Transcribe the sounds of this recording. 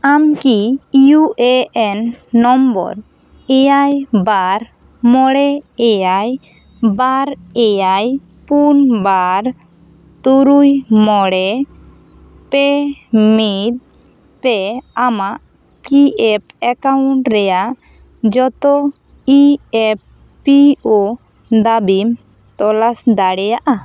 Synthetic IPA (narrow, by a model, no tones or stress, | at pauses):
amkiijuʔɛʔɛnːɔmbɔ̰ɾ | ɛjajbaɾ | mɔɽɛɛjaj | baɾɛjaj | punbaɾ | t̪uɾujmɔɽɛ | pɛmit̪̚ | pɛamaʔ | piɛp̚ɛkawɳʈɾɛjaʔ | d͡ʒɔt̪ɔ | iɛp̚ː | iɔ | d̪abim | t̪ɔlasd̪aɽɛjaʔa